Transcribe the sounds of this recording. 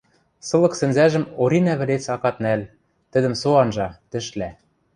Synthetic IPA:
sɤ̆lˠɤ̆ksɘ̆nzæʒɘ̆moɾinæβɘ̆let͡sɑkɑt̪̚næl | t̪ɘ̆d̪ɘ̆msoɑnʒɑt̪ɘ̆ʃlæ

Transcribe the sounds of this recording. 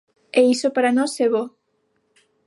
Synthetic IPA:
eisopaɾanoseβo

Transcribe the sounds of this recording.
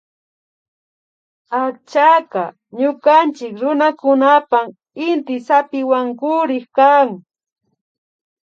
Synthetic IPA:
at͡ʃaka | ɲʊkant͡ʃɪkɾʊnakʊnapaŋ | ɪnt̪ɪsapɪwaŋkʊɾɪxkaŋ

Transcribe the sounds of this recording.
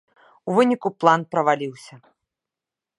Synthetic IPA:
uvɨnʲikuplˠanpɾɐvalʲiwsʲɐ

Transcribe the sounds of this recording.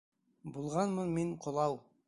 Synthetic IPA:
bulˠʁɑnmɤnmiɴqʰŏlˠɑw

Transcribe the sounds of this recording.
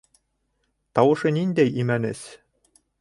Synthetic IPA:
t̪ɑwɤ̆ʃɤnind̪æjimænɘs

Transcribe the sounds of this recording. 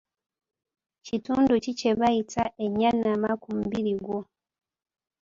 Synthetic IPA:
cituːnducice̞βajitaʔeɲːanːamakumubiɾiɡwo̞

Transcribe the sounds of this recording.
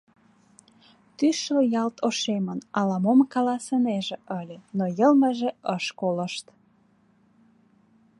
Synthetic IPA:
t̪yʃləjɑlt̪oʃemənɑlɑmomkɑlɑsəneʒĕʔəlʲenojəlməʒĕəʃkoləʃt̪

